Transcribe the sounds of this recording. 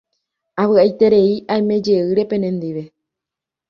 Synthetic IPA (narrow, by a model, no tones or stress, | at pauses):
aβɨajt̪e̞ɾe̞iʔajmẽ̞d͡ʒe̞ɨɾe̞pẽ̞nẽnd̪iʋe̞